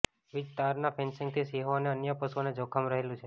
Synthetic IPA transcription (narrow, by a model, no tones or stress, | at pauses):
ʋɪst̪aɾnapʰensɪ̃ŋɡ̚t̪ʰisiɦoəneənjəpəsuoned͡ʒokʰəmɾəɦelũt͡ʃʰe